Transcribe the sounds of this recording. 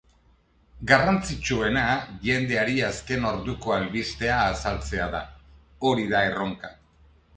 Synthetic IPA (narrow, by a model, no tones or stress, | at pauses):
ɡarant͡sit͡ʃue̞naʝe̞nd̪e̞aɾiaske̞no̞ɾðuko̞alβist̪e̞aːsalt͡se̞aða̰ | o̞ɾiðae̞ro̞ŋka